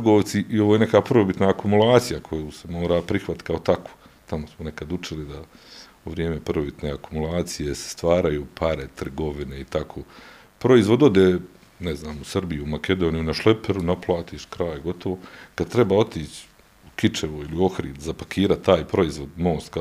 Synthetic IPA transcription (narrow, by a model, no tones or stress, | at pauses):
t̪ɡoːʋt̪siʔioʋoːjene̞kaːpr̩ʋobit̪naːkumulˠaːt̪sijakʰo̞juːse̞mo̞ːɾaːpɾixʋat̪kaot̪akʰo̥ː | t̪amosmone̞kad̪ut͡ʃilid̪a | uʋɾjeːme̞pr̩ʋobit̪neːakumulˠaːt̪sije̞se̥st̪ʋaːɾajuːpʰaɾe̞t̪r̩ɡo̞ʋineit̪akʰoː | pɾo̞izʋo̞d̪o̞d̪eː | neznaːmusrbijumakʰe̞d̪o̞ːnijunaʃlˠe̞peɾunaplˠaːt̪iːʃkɾaːjɡo̞t̪o̞ʋo̞kad̪̚t̪ɾe̞baːo̞t̪iːt͡ɕ | ukit͡ʃe̞ʋoilio̞xɾiːd̪zapakʰiːɾat̪ːaːjpɾo̞izʋo̞d̪moːst̪ka